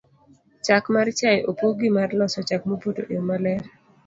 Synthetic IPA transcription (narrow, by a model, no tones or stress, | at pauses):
t͡ʃakmaɾt͡ʃajʔopoɡimarlɔsɔt͡ʃakmobodo̰ʔeomalɛɾ